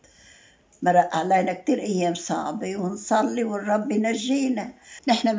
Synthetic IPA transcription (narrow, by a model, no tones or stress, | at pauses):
mɑɾˤɑʔaʕleːnak̚t̪iːɾʔajːeːmsˤɑ̰ʕbiwɪnsˤɑlːiwɪrˤːɑbːinaʒːiːnanɪħna